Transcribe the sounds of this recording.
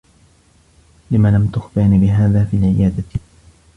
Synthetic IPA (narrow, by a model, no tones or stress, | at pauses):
lɪmalamt̪ʊxfɪʕnibɪɦaːðaːfiːalʕɪjaːd̪a